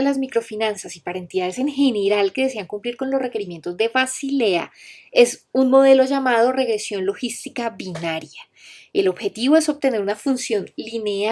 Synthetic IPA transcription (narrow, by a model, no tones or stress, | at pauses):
elazmikɾo̞finansasipaɾaent̪iðaðe̞seŋxe̞ne̞ɾalke̞ðe̞s̬e̞aŋkumpliɾko̞nlo̞sre̞ke̞ɾimje̞nt̪o̞zd̪e̞βasile̞a̰e̞sunmo̞ð̞e̞lo̞ʝamað̞o̞re̞ɣɾe̞sjo̞nlo̞xist̪ikaβinaɾja | e̞lo̞βxe̞t̪iβo̞e̞so̞β̚t̪ene̞ɾunafunsjo̞nline̞a